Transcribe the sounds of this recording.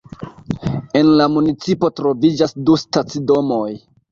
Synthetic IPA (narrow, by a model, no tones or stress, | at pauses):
e̞nlamunit͡sipotɾo̞vid͡ʒasdustat͡sido̞mo̞j